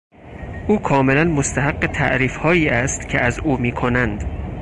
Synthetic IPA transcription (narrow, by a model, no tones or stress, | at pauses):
ʔuːkʰɒːme̞lænmost̪ʰæɦæɡːet̪ʰæ̰ʔɾiːfhɒːiːæst̪cʰeʔæzuːmiːkʰo̞nænd̪